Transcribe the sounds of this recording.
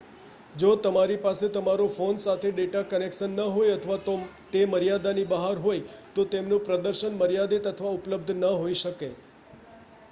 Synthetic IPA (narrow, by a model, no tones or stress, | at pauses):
d͡ʒot̪əmaɾipaset̪əmaɾofonsat̪ʰeɖeʈakənekʃənːəɦojət̪ʰəʋat̪ot̪eməɾijad̪anibəɦaɾɦojt̪ot̪emnũpɾəd̪əɾʃənməɾjad̪et̪ət̪ʰəʋaʊpləb̚d̪ʱnəɦoiʃəke